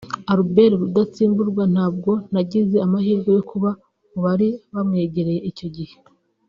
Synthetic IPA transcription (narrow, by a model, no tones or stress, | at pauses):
aɾubeɾiɾudat͡siːmbuɾɡwan̥haːb̚ɡo̞naɟize̞amahiːɾɡo̞jo̞kuβa | muβaɾiβamŋe̞ːɟe̞ɾe̞je̞ico̞ɟihe